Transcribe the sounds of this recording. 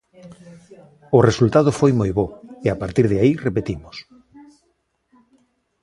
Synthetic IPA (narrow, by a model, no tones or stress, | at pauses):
ʊresult̪að̞ʊfojmojβoeapaɾt̪iɾðeairepet̪imos